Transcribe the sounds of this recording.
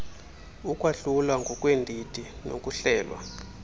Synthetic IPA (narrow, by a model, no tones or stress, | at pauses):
ukʼwaɬulwaŋɡʱɔkʼwendʱitino̰k̬ʼuɬɛːlwa̰